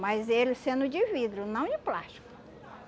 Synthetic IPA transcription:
majzelɪsẽnd̪ʊd͡ʒivid̪ɾjʊnɐ̃w̃ɪpla̰ʃt͡ʃi̥kʊ̥

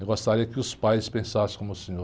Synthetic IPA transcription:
ewɡost̪aɾiɐkɪʊspajspẽsasɪ̥̃kõmʊsẽɲo

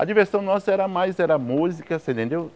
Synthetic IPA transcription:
ɐ̰d͡ʒiveɾsɐ̃w̃nɔsɐɛɾɐmajzɛɾɐmuzikɐsẽnt̪ẽnd̪ew

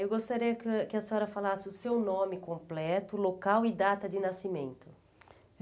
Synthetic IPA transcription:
ewɡost̪aɾiɐkkɪɐsɔɾɐfalasɪʊsewnõmɪkõmplɛt̪ʊlokawɪd̪at̪ɐd͡ʒɪnasimẽnt̪ʊ

